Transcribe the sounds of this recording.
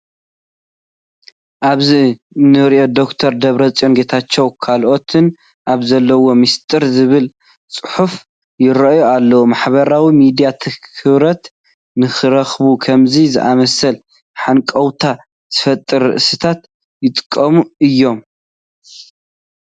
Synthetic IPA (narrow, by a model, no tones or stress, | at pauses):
ʔaβzi | nɨɾiʔo̞d̪o̞kt̪ʰɐɾd̪ɐβɾɐt͡sʼonɡet̪ʰat͡ʃːɛwkʰalʔo̞t̪ʰɨn | ʔaβzɐlːɐwo̞mist̪ʼɨɾzɨβɨl | t͡sʼɨħuf | jɪɾɐʔjoalːɐwomaħbɐɾawimid̪ijat̪ʰɨkʰɨβɾɐt̪ | nɨxɨɾɐxβukʰɐmzizɨʔamɐsɐl | ħankʼɐwt̪ʰa | z̥ɨfɐt̪ʼɨɾːɨ̰ʔsit̪ʰat̪ | jɪt̪ʼɨ̥kʼːɐmuɨjːo̞m